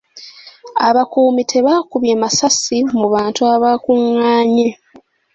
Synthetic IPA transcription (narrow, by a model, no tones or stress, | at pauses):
aβakuːmitʰe̞βaːkuβje̞masasimuβaːntuaβaːkuŋːaːɲe